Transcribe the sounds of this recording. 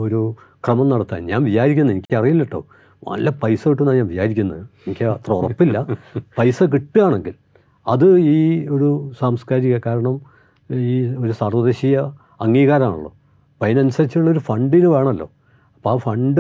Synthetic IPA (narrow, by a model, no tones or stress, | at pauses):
o̞ɾu | krɐmɐnnɐɽɐt̪ːa̰ːnɲaːnʋit͡ɕaːɾikʲːunːɐenikʲːɐrijilːiʈːo̰ː | nɐ̰lɐpɐjsɐʋiʈːumnːaːɲaːnʋit͡ɕaːɾikʲːunːɐðɨenikʲːɨɐt̪rɐurɐpːilːɐpɐjsɐk̬iʈːɨjaːɳe̞ŋɡil | ɐðɨiːo̞ɾusaːmskaːɾiɣɐkaːɾɐɳɐm | iːo̞ɾusaːrʋɐðeɕijɐ | ɐŋːiːɣaːɾɐmaːɳuɭːo̰ː | pɐjɐnɐnusɐɾit͡ɕːɐʈːuɭːɐo̞ɾufɐɳɖinɨʋe̞ːɳɐlːo̞̰ː | ɐpːoaːfɐɳɖɨ